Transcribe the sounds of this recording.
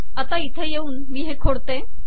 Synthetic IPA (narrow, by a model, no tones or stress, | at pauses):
ət̪ait̪ʰejeuːnmiːɦẽkʰoɽt̪e